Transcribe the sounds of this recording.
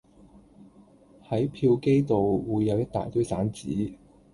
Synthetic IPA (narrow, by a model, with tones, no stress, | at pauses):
hɐ˨˥jpʰiː˧wke˥jt̪o˨wwuː˨˧jːɐ˨˧wjɐ˥t̚t̪a̰ː˨jt̪ɵ˥ɥsaː˨˥nt͡siː˨˥